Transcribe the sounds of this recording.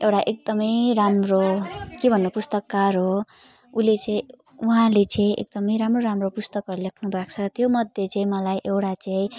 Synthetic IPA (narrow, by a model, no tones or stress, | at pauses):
ewʈaʔek̚d̪ʌmʌjɾamrokebʱʌnːopust̪ʌkːarɦo | ulet͡sʌĩ | uɦãlet͡sʌĩʔḛk̚d̪ʌmʌj̃ɾamroɾamropust̪ʌkʌɾulekʰnubʱak̚t͡sʰʌt̪jomʌd̪ʱjet͡saĩmʌlajʔewʈat͡saĩ